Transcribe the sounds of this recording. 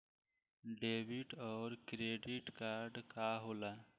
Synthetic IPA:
ɖeːbiʈɔːɾkɾeːɖɪʈkaːɾɖkaːɦoːlaː

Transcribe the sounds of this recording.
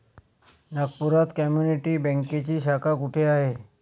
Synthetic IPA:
naɡ̚puɾat̪kamjuniʈiːbɛ̃ŋket͡ɕiːɕakʰakuʈʰeaɦe

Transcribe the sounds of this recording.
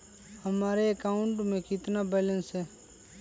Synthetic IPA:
həmaːɾeəkaːʊɳʈmẽkɪt̪nabɛːlə̃nsɦɛː

